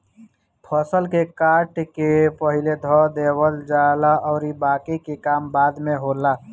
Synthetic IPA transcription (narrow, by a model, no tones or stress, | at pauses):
pʰəsəlkekaːʈkepəɦiled̪ʱɔd̪ewəld͡ʒalaʔɔːɾibaːkikekaːmbaːd̪meɦola